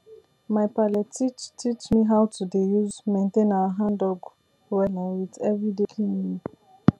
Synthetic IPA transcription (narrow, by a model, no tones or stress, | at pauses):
maɪpalɛtːit͡ʃtʰit͡ʃmiɦawtudejuzmẽntẽnawaɦãndɔɡ | wɛlãnwidɛvɹidekʰĩnini